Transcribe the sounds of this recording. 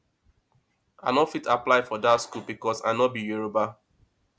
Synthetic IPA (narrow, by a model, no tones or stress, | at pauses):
a̰nɔfitaplaɪfɔdatskubikɔsaɪnɔbijuɹoba